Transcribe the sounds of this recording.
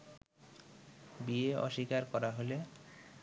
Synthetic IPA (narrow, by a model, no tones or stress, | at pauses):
bieɔ̰ʃikaɾkɔɾaɦole